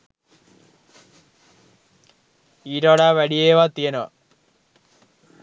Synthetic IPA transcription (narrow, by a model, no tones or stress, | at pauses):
iɾoɽaʋɐɽieːʋat̪iɐno